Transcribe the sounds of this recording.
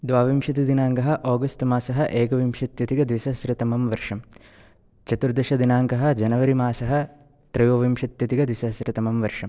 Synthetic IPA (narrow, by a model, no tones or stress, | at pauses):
d̪ʋaːʋimʃɐt̪id̪inaːŋɡɐɦɐ̆ʔoːɡɐstmaːsɐɦɐ̆ʔeːɡɐʋimʃɐt̪jɐt̪iɡɐd̪ʋisɐsɾɪt̪ɐmɐmʋɐɾʂɐm | t͡ʃɐt̪uɾd̪ɐʃɐd̪inaːŋɡɐɦɐ̆d͡ʒɐnɐʋɐɾimaːsɐɦɐ̆ | t̪ɾɐjoːʋimʃɐt̪jɐt̪iɡɐd̪ʋisɐsɾɪt̪ɐmɐmʋɐɾʂɐm